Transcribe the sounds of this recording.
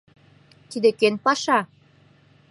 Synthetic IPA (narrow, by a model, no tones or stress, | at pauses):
t̪id̪ekønpɑʃɑ